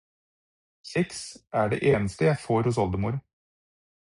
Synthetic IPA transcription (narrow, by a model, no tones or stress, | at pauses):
sɪksʔæːɖḛːʔeːnəst̪əjæɪfoːɾhʊs̬ɔld̪əmuːɾ